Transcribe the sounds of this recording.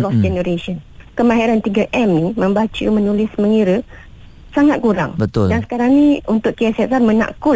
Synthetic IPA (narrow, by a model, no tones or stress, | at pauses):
lɔsd͡ʒɛnəɾesənkəmãɦiɾant̪iɡaʔɛmnimə̃mbat͡ʃəmənulɪsməŋiɾə | saŋat̪̚kuɾa̰ŋbət̪ʊldansə̥kaɾaŋnĩunt̪ʊʔkiɛsɛsarmə̃na̰ʔkʊl